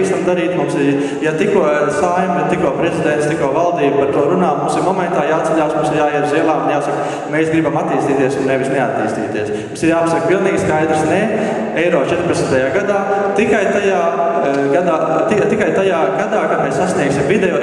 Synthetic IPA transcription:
kst̪amd̪aɾiːt̪mumsɪ | jat̪ikuɔsaːjmʋɛt̪ikuɔpɾezid̪ent̪st̪ikuɔʋalˠd̪iːbpaɾt̪uɔɾunaːmuːsɪɾmɔmɛ̃nt̪aːjaːt̪sɛʎʲaːsmumsɪɾjaːiɾziɛlˠaːunjaːsak | meːsɡɾibamat̪ːiːst̪iːt̪iɛsunnːɛʋisnɛat̪ːiːst̪ḭːt̪iɛsmumsiɾjaːpɐsak̚pilˠniːɡskajd̪ɾsnɛ | ɛjɾɔːt͡ʃɛt̪ɾpet̪smt̪ɐjaːɡad̪aː | t̪ikajt̪ajaːɡad̪aːt̪it̪ikajt̪ajaːɡad̪aːkad̪mɛssasʲniɛksʲimvid̪ɛjɔː

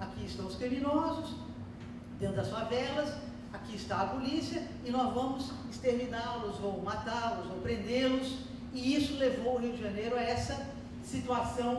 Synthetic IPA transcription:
akiɪst̪ɐ̃w̃ʊskɾiminɔzʊs | d̪ẽndɐsfavɛlɐs | akiɪst̪aːpolisiɐ | ɪnɔzvɐ̃mʊsɪst̪eɾmĩnaɾlʊzowmat̪aɾlʊzowpɾẽnd̪eɾlʊs | ɪisʊlevowʊɦiwd͡ʒɪʒɐnejɾʊaɛsɐ | sit̪uasɐ̃w̃

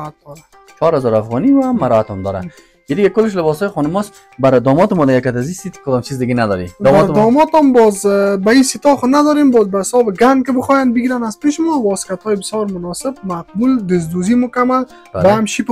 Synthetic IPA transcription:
at̪̚d̪ɔɾa | t͡ʃʰɔɾhazɔɾafɣɔniwamaɾɔat̪ɔmd̪ɔɾa̰ | id̪ɪɡakʊlːɪʃ̬lɪbɔsɔjɪxɔnʊmɔs | baɾd̪ɔmɔt̪ɪmɔd̪aɡakːat̪azist̪it̪kkʊd̪ɔmt͡ʃizd̪ɪɡenad̪ɔɾid̪ɔaɾd̪ɔmɔt̪ɔmbɔzbaisit̪ɔxʊnad̪ɔɾembɔzbaɪsɔbɪɡaŋkɪbəxɔjanbɪɡiɾanazpeʃɪmɔwɔsɪ̥kat̪hɔjɪbɪsjɔɾmʊnɔsɪb̚maq̚buld̪ɪz̬d̪uzimʊkamal | bawaamʃip

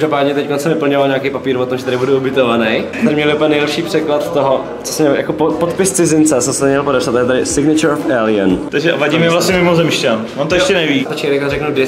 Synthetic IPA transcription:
ʒdopaːdɲɛt̪ɛckonsɛmvɪpl̩ɲovalɲakejpapiːɾvot̪omʒɛt̪adɪbudɛubɪt̪ovanɛj | t̪ɾɪmɲɛlɪupɛnɛjlɛpʃiːpr̝̥ɛklat̪t̪oɦo | t͡sosɛmɛjakopopot̪pɪst͡sɪzɪnt͡sɛsɛmsɛmɲɛlpodɛpsat̪ːajɛt̪adɪsɪɡnɪt͡ʃɛɾofɛlɪant̪aɡʒɛavaɟiːmɛvlast̪ɲɛmɪmozɛmʃcanvont̪ojɛʃcɛnɛviːt̪ot͡ʃɛvjɛkarɛknudɪ

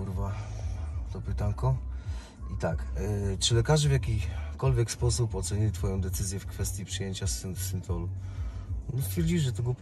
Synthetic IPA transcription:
uɾva | t̪ɔpɘt̪aŋkɔ | it̪akt͡ʂɘlɛkaʐɘvʲjakʲikɔlvʲjɛkspɔsupɔt̪sɛɲilʲit̪fɔjɔ̃w̃d̪ɛt̪sɘzʲjɛfkfɛst̪ʲjipʂɨjeɲt͡ɕassɘnt̪ɔlu | st̪fʲjɛɾd͡ʑiʐɛt̪ɔɡɔp

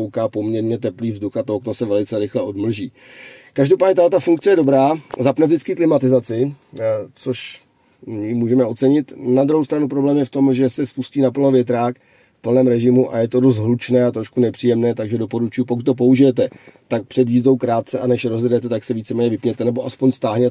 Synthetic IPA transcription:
owkaːpo̞mɲɛɾɲɛt̪̬ɛpliːvzduxat̪ooknosɛvɛlɪt͡sɛɾɪxlɛʔo̞dml̩ʒiː | kaʒdo̞paːdɲɛt̪alɛt̪afuŋk̚t͡sɛjɛdo̞bɾaːzapnɛvd͡ʒdɪt͡skɪklɪmat̪ɪzat͡sɪ | t͡so̞ʃ | mɪmuːʒɛmɛo̞t̪t͡sɛɲɪt̪nad̪ɾuɦowst̪ɾanupɾo̞blɛːmjɛft̪o̞mʒɛsɛspusciːnapl̩novjɛt̪ɾaːk | fpl̩nɛːmɾɛʒɪmuʔa̰jɛt̪o̞dos̬t̪ɦlut͡ʃnɛːat̪ɾoʃkunɛpr̥iːjɛmnɛːt̪aɡʒɛdo̞po̞ɾut͡ʃujupokut̪ːo̞p̬ouʒɪjɛt̪ɛt̪ak̚pr̥ɛd̪jiːzdo̞wkɾaːt̪̚t͡sɛʔanɛʃɾozjɛdɛt̪ɛt̪aksɛviːt͡sɛmɛːɲɛvɪpɲɛt̪ɛnɛboʔaspoɲst̪aːɦɲɛt̪

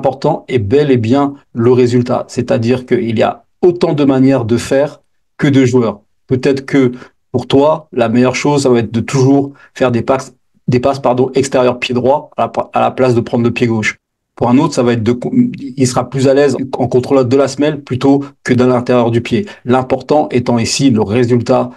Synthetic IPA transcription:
ɛ̃pɔʁt̪ɑ̃ebɛlebjɛ̃ləʁezylt̪a̰sɛt̪ad̪iʁkəilia̰ | ot̪ɑ̃d̪əmanjɛʁd̪əfɛːʁ | kəd̪əʒuœːʁ | pøt̪ɛt̪χəkə | puʁt̪walamɛjœʁʃozsavaɛt̪χd̪ət̪uʒuʁ | fɛʁd̪ea | d̪epaspaʁd̪ɔ̃ʔɛkst̪eʁjœʁpjed̪ʁwaːlaplasd̪əpχɑ̃d̪ʁləpjeɡoʃ | puʁɛ̃not̪χəsavaɛt̪χd̪əkilsəʁaplyzalɛzɑ̃kɔ̃t̪χold̪əlasmɛlplyt̪okəd̪alɛ̃t̪eʁjœʁd̪ypjelɛ̃pɔʁt̪ɑ̃ʔet̪ɑ̃isiləʁezylt̪a

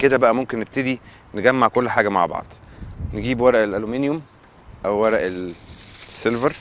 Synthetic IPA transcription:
ked̪æbæʔæmomkenːeb̚t̪ed̪i | neɡæmːaʕkolːħaːɡæma̰ʕbɑ̰ʕd̪̥ˤneɡiːbwɑɾˤɑʔelʔælumiːnjom | ʔæwːæɾˤæʔel | sːelveɾ

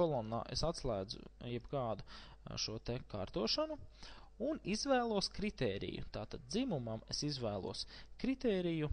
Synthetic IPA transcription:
kɔlˠɔnːa̰ːʔesat̪slˠæːd̪zʊ̰jɛbɡɑːd̪u | ʃuɔt̪ɛkaːɾt̪uɔʃanu | unizʋæːlˠuɔskɾit̪ɛːɾḭjṵt̪aːt̪ad̪̚zimumamesizʋæːlˠṵɔskɾit̪ɛːɾiju

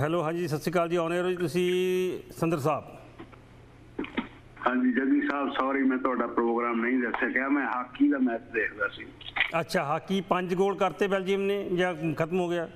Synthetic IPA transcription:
ɦɛːloːɦãːd͡ʒiːsət̪siːkaːld͡ʒiːaːneɾoːd͡ʒiːt̪ʊsĩːsənd̪əɾsaːb | hãːɲd͡ʒiːd͡ʒəd̪ĩːsaːbsɔːɾiːmɛ̃ːt̪ʊaːɖaːpɾoːɡɾaːmnə̃ĩːd̪əksʰeːkaːmɛ̃ːɦaːkːiːd̪aːmɛːt̪əd̪eːɾdaːsiːətːʃʰaːɦaːkːiːpəɲd͡ʒɡoːlkəɾt̪eːbɛːld͡ʒiːʋnẽːd͡ʒaːkʰət̪əmɦoːɡɪjaː

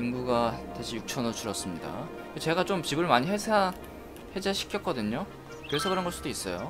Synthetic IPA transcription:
iŋɡuɡateɕʰijuk̚t͡ɕʰʌnot͡ɕʰuɾʌs͈ɯmɲida̰ | et͡ɕe̞ɡat͡ɕomt͡ɕibɯɭmaɲiɦesʰa | hed͡ʑeɕʰi̥kʰjʌk̚k͈ʌdɯɲo | kesʰeɡaɾanɡʌs͈udois͈ʌjo

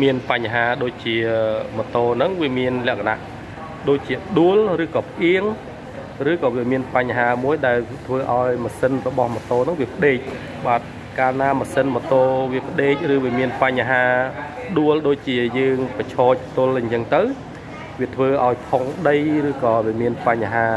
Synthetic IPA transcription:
miənpaɲːɦaːɗoːc̚t͡ɕiəmɔt̪oːnɨŋʋiəmiənlɛ̆əkʰana̰ʔ | ɗoːc̚t͡ɕiəɗuəlrɨːkɑːpʰəʔiəŋ | rɨːkɑːʋiəmiənpaɲːɦaːmuəjɗaɛlt̪ʰʋəːʔaɔjməsənrɔɓɑhmɔt̪oːnɨŋʋiəpʰə̆ɗeːc̚ | ɓaːt̪̚ | kaːnaːməsənmɔt̪oːʋiəpʰə̆ɗeːc̚rɨːʋiəmiənpaɲɦaːpɗuəlɗoːc̚t͡ɕiəjəːŋpat͡ɕʰɔːc̚t̪ʊəlɲt͡ɕəŋt̪ɨw | ʋiət̪ʰʋəːʔaɔjpʰoŋɗəjrɨːkɑːʋiəmiənpaɲːaɦaː

